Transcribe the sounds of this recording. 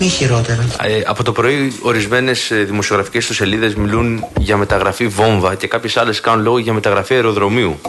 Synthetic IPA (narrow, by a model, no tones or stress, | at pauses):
miçiɾot̪eɾɐeɐpo̞t̪o̞pɾo̞io̞ɾizme̞ne̞sðimosio̞ɣɾɐfi̥ce̞st̪use̞liðe̞zmilunʝɐme̞t̪ɐɣɾɐfivo̞ɱvɐce̞kɐpçe̞sɐle̞skɐnunlo̞ɣoʝɐme̞t̪ɐɣɾɐfiɐeɾo̞ðɾo̞miu